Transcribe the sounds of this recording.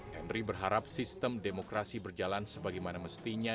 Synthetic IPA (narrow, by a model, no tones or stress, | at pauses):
hɛnribərɦaɾap̚sist̪əmdemokɾasibərd͡ʒalansəbaɡajmanaməst̪iɲa